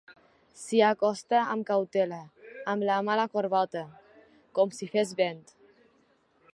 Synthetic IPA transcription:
sijakost̪ɛa̰mkawt̪ɛlɛamlaːmalakoɾvat̪ɛ | kɔmsifɛzbɛnt̪

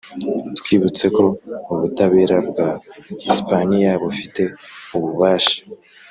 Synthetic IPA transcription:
twiːβut͡se̞ko̞uβutaβe̞ːɾabɡahispanijaβufi̥te̞uβuβaːʃḁ

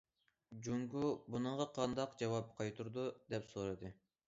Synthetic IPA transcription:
d͡ʒuŋɡubunɨʁɑqʰɑnd̪ɑqd͡ʒɑwɑp̚qʰɑjt̪ʰuɾd̪ud̪ɛpsoɾɨd̪ɨ

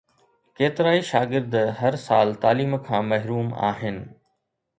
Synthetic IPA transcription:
keːt̪ɪɾaːiʃaːɡɪɾd̪ɦɐɾsaːlt̪aːliːmkʰãːmɐɦɾuːma̰ːɦɪnɪ̆

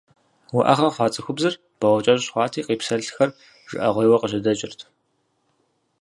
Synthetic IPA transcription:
wʊʔɐ̰χɐχʷɑːt͡sʼɨxʷʊbzɨr | b̥ɐʁʷɐt͡ʃʼɐʑɕχʷɑːtʰiːqiːpsɐɮxɐr | ʒ̥ɪ̰ʔɐʁʷejwɐqəʑɪdɐt͡ʃʼɪrtʰ

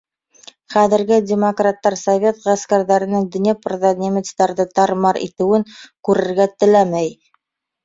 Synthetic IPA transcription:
χæðɘ̆ɾɡɘdʲɪmokrat̪ːɑɾsovʲet̪ʁæskæɾðæɾɘ̆nɘŋd̪ɵ̆njæprðonʲemʲɪt̪st̪ɑɾðɤt̪ɑɾmɑɾḭt̪ɘ̆wɘŋkʉɾɘ̆ɾɡæt̪ɘ̆læmæj

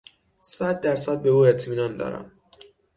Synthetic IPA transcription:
sæd̪ːæɾsæd̪̚be̞uːet̪ʰmiːnɒːnd̪ɒ̰ːɾæ̰m

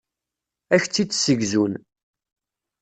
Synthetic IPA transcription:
æçt͡sːit͡sːsəɡzun

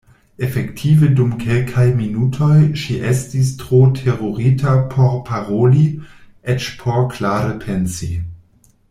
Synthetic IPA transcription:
efektʰivədumkʰelkʰajminutʰojʃiʔestis̬tʁotʰeʁoɾitʰapʰoɾpʰaʁoli | et͡ʃpʰoɾklaːɾəpʰensḭ

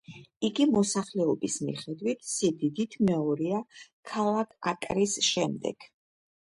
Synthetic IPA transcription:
iɡimɔsaχlɛɔbismḭχɛd̪wit̪ʰsid̪id̪it̪ʰmɛɔɾiakʰalˠakʰakʼɾisʃɛmd̪ɛ̰ɡ̥

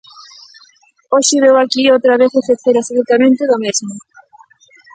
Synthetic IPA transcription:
oʃɪβewakiowt̪ɾaβeθefeθeɾasoðut̪amẽnt̪ɪðʊmezmʊ

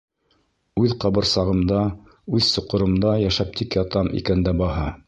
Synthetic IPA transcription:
ʉðqɑbɤ̆ɾsɑʁɤ̆md̪ɑ | ʉðsŏqŏɾɤ̆md̪ɑjæʃæp̚t̪ʰikjɑt̪ɑmʔḭkænd̪æbɑhɑ

